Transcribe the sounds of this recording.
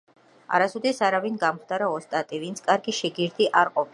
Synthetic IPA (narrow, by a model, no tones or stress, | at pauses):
a̰ɾasud̪ɛsaɾavinɡamχd̪aɾaɔst̪ʼat̪ʼivint̪sʰkʼaɾɡiʃɛɡiɾd̪iʔaɾqʼɔpʰ